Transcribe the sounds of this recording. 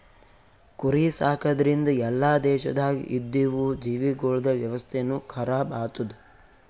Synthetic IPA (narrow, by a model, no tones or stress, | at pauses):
kuɾisaːkɐd̪ɐɾind̪ɐjɛlːaːd̪ɛːʃɐ̰d̪aːɡḭʔid̪ːiʋud͡ʒiːʋiɡoːɭɐd̪ɐʋjɐʋɐst̪ʰeɐnːukʰɐɾaːbaːt̪ud̪u